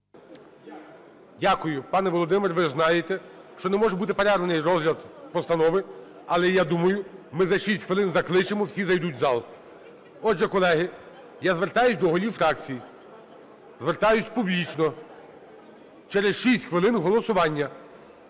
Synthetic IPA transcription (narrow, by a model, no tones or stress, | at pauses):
dʲakʊjʊpɑnɛʋɔlˠɔd̪ɪmɪrʋɪznɑjet̪ɛʃt͡ʃɔnɛmɔʒɛbut̪ɪpeɾɛɾlɐnɪjrɔzɦlʲɐd̪pɔst̪ɐnɔʋɪ | ɐlˠɛjad̪umɐjʊmɪzɐʃisʲtʲxʋɪlˠɪnzɐklˠɪt͡ʃemɔwsʲizɐjd̪utʲzɑlˠ | ɔdʒɛkɔlˠɛɦɪ | jazʋert̪ɑjʊsʲd̪ɔɦɔlʲiwfɾɑk̚t͡sʲiji | zʋert̪ɑjʊsʲpublʲit͡ʃnɔ | t͡ʃɛɾesʃisʲtʲxʋɪlˠɪnɦɔlˠɔsʊʋɑnʲːɐ